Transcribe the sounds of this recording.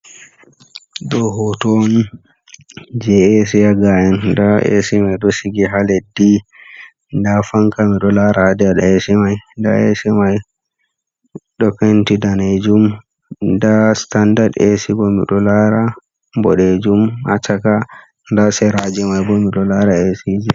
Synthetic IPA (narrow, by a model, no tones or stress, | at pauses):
ɗɔɦɔtɔni | d͡ʒɛesijaɡaɛndaḛsimajɗɔsiɡiɦaledi | ndafaŋkamiɗɔlaɾaːdɛaɗaesimajnda̰esimaj | ɗɔkentidaned͡ʒum | dastandadesibɔmḭɗɔlaɾa | bɔ̰ɗed͡ʒumat͡ʃaka | ndasɛɾad͡ʒɛmajbɔmiɗɔlaɾaesid͡ʒi